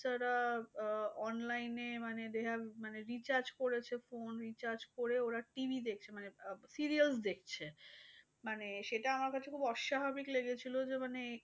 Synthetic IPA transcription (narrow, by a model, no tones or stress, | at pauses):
aɾa | ɔnlajnemaned̪ɛkʰamaneɾit͡ɕaɾd͡ʑkoɾet͡ɕʰefonɾit͡ɕaɾd͡ʑkoɾeoɾaʈibʱid̪ek̚ʰt͡ɕʰemanesiɾialsd̪ekʰt͡ɕʰe | maneʃeʈaamaɾkat͡ɕʰekʰubɔʃːabʱabikleɡet͡ɕʰilod͡ʑemane